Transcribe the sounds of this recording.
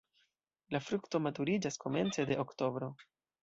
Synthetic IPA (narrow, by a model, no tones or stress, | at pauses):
lafɾukto̞matuɾid͡ʒasko̞me̞̰nt͡se̞de̞okto̞bɾo̞